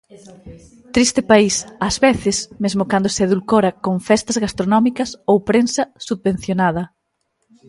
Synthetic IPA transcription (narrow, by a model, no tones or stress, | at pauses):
t̪ɾist̪ɪpaisɐzβeθɪsmezmʊkand̪oseðulkoɾɐkoŋfɛst̪ɐzɣast̪ɾonɔmikɐsowpɾensɐsuð̚βẽn̟θjonað̞ɐ